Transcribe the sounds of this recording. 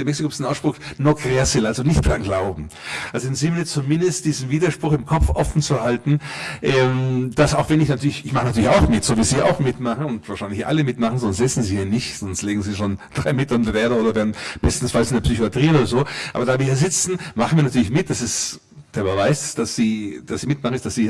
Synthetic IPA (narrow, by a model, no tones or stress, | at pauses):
eɐmɛksikopsnaʊsʃpʁ̥ʊxnokʰʁ̥easɛlalzonɪçt̚b̥amɡlaʊbm̩ʔalzoɪnzimiːt͡sumɪndəst̚d̥iːzn̩viːdɐʃpʁ̥ʊxɪmkʰɔp͡fʔɔfn̩t͡suhaltn̩ʔɛmd̥asaʊxv̥ɛnɪçnatʰyːɐlɪçɪçmaχənatʰyːlçaʊxmɪtz̥oːviːz̥iːʔa̰ʊxmɪtmaχən̩ʊntv̥aːɐʃaɪnlɪçʔa̰ləmɪtmaχn̩zɔnstz̥ɪt͡sn̩ziːhiːɐnɪçtz̥ɔnstleːɡŋ̩ziːʃoːnd̥ʁaɪmɪtɐndvɛːɐdɐoːdɐveːɐdn̩b̥ɛstn̩sfalsɪndeɐpsyçoatʁ̥iːoːɾɐzoːʔa̰ːbɐdaːviːɐhiːɐzɪt͡sn̩maχn̩viːɐnatʰyːlɪçmɪt̚d̥asɪst | d̥eːɐbəvaɪsd̥asz̥iːd̥asziːmɪtmaχn̩ɪstd̥asiː